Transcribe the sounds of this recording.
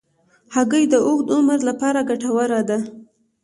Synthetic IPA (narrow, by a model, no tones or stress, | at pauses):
haɡəjd̪əʊɣd̪ʊməɾlapɑɾaɡaʈawaɾad̪a